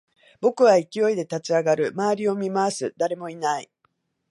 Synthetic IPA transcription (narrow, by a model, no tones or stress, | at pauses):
bo̞kɯ̟βaikʲio̞id̪e̞t̪at͡ɕiaɡaɾɯ̟maːɾʲio̞mʲimasɨd̪aɾe̞mo̞inai